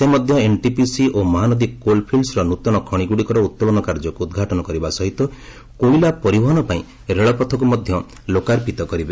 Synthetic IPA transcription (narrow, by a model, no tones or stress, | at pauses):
semɔd̪ʱjɔenʈipisiʔomɔɦanɔd̪ikkolpʰilsɾɔnut̪ɔɽ̃ɔkʰɔɽ̃iɡuɽikɔɾɔut̪̚pɔlɔnɔkaɾd͡ʒɔkuːd̪ɡʱaʈɔnɔkɔɾibasɔɦit̪ɔ | koilapɔɾibʱɔɦɔnɔpaĩ | ɾeɭɔpɔt̪ʰɔk̬umɔd̪ʱjɔ | lokaɾpit̪ɔkɔɾibe